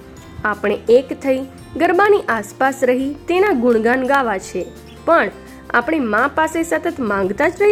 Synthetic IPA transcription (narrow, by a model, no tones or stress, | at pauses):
apɽ̃eekt̪ʰəi | ɡəɾbaniʔaspasɾəɦit̪enaɡʊɳɡanɡaʋat͡ʃʰe | pəɳ | a̰pɽ̃emãpasesət̪ət̪mãŋɡt̪ad͡ʒɾəi